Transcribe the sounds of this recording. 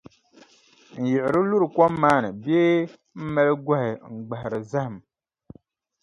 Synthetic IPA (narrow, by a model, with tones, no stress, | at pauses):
n̩˨jɛ˨ʔɪ˨ɾɨ˦lu˦ɾɨ˨kɔ˦mːaː˦nɨ˨bɛː˦ | m̩˦mɛ˦lɡwa˦hɪ˨ŋ̩˨ɡ͡ba˨hɪ˨ɾɨ˨za˦ha˨m